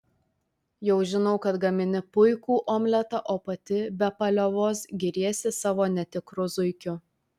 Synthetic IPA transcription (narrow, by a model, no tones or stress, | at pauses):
jɛʊʒʲɪnɔʊkɐt̪ɡɐmʲɪnʲɪpʊɪkuːʔoːmʲlʲɛt̪ɑʔoːpɐt̪ʲɪbʲɛpɐlʲoʋoːsɡʲɪɾʲiɛsʲɪsɑːʋoːnʲɛt̪ʲɪkɾʊzʊɪkʲʊ